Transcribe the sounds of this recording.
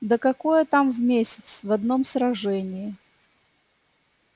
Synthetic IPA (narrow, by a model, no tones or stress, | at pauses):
d̪əkɐkojət̪amvmʲesʲɪ̥t̪svɐd̪no̞msɾɐʐɛnʲɪɪ